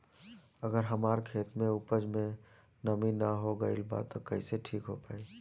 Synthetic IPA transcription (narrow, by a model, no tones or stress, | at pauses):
əɡəɾɦəmaːɾkʰeːt̪mẽupəd͡ʒmẽ | nəminəɦoɡəɪlba̰t̪okəiseʈʰiːkɦopaːi